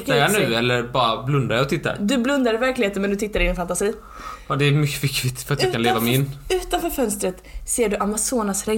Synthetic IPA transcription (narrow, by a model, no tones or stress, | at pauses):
t̪ːajanʉ̟ːɛlːəɾbɑːɾablɵnd̪aɾjaɔt̪ʰɪt̪ːa̰ɾd̪ɵblɵnd̪aɾɪvæɾklɪheːt̪əmɛnd̪ɵt̪ɪt̪ːaɾɪnfant̪asiː | ɑd̪ɛmʏkːə̥fɪkːvɪt̪fœɾat̪jakaneːvamɛɪnːʉ̟ːt̪anfœːɾfœnst̪ɾət̪seːɖɵʔamasoːnasɾɛ